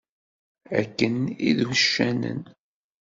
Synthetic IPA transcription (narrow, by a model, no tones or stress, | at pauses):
æ̰kːənḭðwəʃːænə̰n